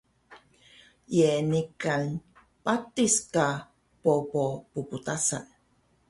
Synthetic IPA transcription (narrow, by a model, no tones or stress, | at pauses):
jenikan | patiska | popopuputasa̰n